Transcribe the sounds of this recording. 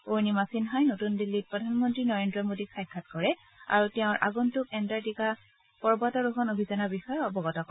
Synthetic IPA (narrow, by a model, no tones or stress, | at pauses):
oɹnimasinɦajnotundilːit̚pɹɔdʱanmɔntɹinɔɹendɹɔmodikʰajkʰːatkɔɹɛ | a̰ɹutɛʊ̃ɹʔa̰ɡɔntʊkɛntaɹdika | pɔɹbatɔɹuxɔnobʱizanabixɔjɔɔbɔɡɔtɔk